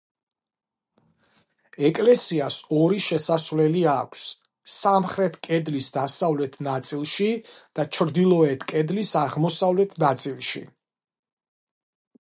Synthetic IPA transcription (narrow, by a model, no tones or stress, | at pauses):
ɛkʼlɛsiasɔɾiʃɛsasvlɛliakʷʰsː | amχɾɛt̪ʰkʼɛd̪lisd̪asavlɛt̪ʰnat̪sʼilˠʃid̪̥at͡ʃʰɾd̪ilˠɔɛt̪ʰkʼɛd̪lisaʁmɔsavlɛt̪ʰnat̪sʼilˠʃḭ